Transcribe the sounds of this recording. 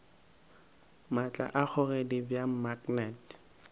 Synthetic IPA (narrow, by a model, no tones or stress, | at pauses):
mat͡ɬʼa̰ʔak͡xʰʊredibjamaknɛt